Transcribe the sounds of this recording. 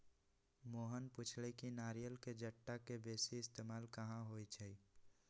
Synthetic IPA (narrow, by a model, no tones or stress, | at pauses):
moːɦənpʊt͡ʃʰlekinaːɾijəlked͡ʒəʈːakebeːsiɪst̪eːmaːlkəɦãɦoit͡ʃʰɛi